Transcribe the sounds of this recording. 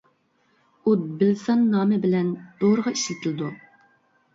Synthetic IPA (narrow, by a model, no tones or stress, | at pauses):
ud̪bɪlsɑnːɑːmɪbɪlɛnd̪̥oɾəʁɑiʃlɪt̪ʰɪlɪd̪u